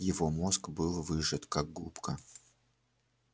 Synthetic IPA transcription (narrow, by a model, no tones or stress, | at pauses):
jɪvo̞mo̞skbɨlˠvɨʐɨt̪kaɡ̚ɡupkə